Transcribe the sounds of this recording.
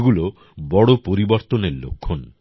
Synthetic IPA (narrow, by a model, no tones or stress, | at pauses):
ɡulo | bɔɽopoɾibɔɾt̪oneɾlo̰kʰːon